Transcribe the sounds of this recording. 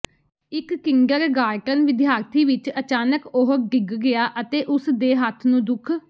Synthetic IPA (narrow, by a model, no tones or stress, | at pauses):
ɪkːɪŋɡəɾɡaːɾʈənʋɪd̪ɪjaːɾt̪ʰiːʋɪt͡ʃət͡ʃaːnəkoɦəɡɪɡɡɪaːʔət̪eːʔʊsd̪eːɦət̪ʰnũːd̪ʊkʰ